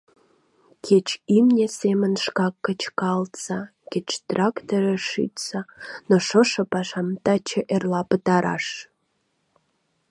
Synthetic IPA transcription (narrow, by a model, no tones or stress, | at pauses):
kʰet͡ɕimnʲesemənʃkɑkːət͡ɕkɑlt̪sɑ | kʲet͡ɕt̪rɑkt̪oɾeʃḭt̪t͡sɑnoʃoʃə̆pɑʃɑmt̪ɑt͡ɕeʔerlɑpət̪ɑɾɑ̰ʃ